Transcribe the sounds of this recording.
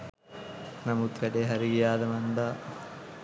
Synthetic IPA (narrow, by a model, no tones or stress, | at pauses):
nɐmut̪ɾɐɖeɦɐɾiijaːd̪ɐmɐnd̪a